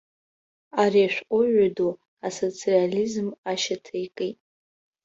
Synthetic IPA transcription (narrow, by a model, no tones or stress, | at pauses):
ariaʃᶣʷʔʷʼʊʒʷadu | aso̞t͡sʰʼializmaʃatʰajkʼetʼ